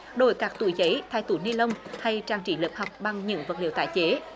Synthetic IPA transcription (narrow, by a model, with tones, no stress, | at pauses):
ɗo˧˩jkaː˦˥k̚t̪ṵ˧˩˨jzə˨˦jt̪ʰaː˧˩jt̪u˧˩ni˧lə˧wŋ͡mt̪ʰa˧jt͡ɕaː˧˩ŋt͡ɕḭ˧˩ləː˧˦˩p̚ha˨˩wk͡p̚ɓa˧ŋɲɨ̰˧˥ŋvə˨˩t̚lḭ˧˨wt̪a̰ː˧˨jt͡ɕe˨˦